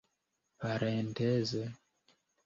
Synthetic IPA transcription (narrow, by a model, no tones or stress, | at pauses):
βaɾenteze